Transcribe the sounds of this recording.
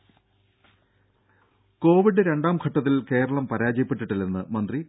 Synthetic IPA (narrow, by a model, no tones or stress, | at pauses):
ko̞ːʋiɖːɨɾe̞ɳɖaːmkʰɐʈːɐt̪ːilke̞ːɾɐɭɐmpɐɾaːd͡ʑɐjɐpːeʈːiʈːilenːɨmɐnd̪ri